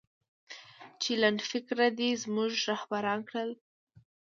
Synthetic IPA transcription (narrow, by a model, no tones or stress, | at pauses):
t͡ʃelanfɪkɾad̪izmuʒɾahbaɾɑnkɽəl